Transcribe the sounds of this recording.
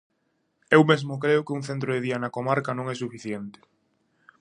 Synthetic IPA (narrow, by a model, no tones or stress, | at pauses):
ewmezmʊkɾeʊkɪuŋθent̪ɾoðeðiɐnɐkomaɾkɐnõŋɛsufiθjent̪ɪ̥